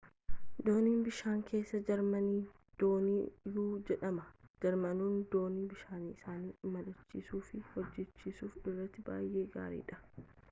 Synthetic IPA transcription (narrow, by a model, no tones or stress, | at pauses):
d̪o̞ːniːnbɪʃaːŋkʰe̞ːsːɐd͡ʒɐɾmɐniː | d̪̥o̞ːniːjuːd͡ʒɛᶑɐmɐd͡ʒɐɾmɐnuːnd̪o̞ːniːbɪʃaːniːɪsaːniːmɐlʊt͡ʃːiːsuːfɪhɔd͡ʒːɛt͡ʃːiːsuːfɪrːɐt̪ːɪba̰ːjʔe̞ːɡa̰ːɾḭːᶑɐ̥